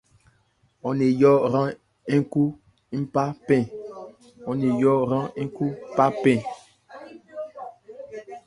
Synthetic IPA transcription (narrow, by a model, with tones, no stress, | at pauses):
ɔ˨ne˨jɔ˦ɾã˦ | i˦ŋ˦ku˦ | i˦m̩˦pa˦pɛ̃˦˨ | ɔ˨ne˨jɔ˦ɾã˦i˦ŋ˦ku˦pa˦pɛ̃˦˨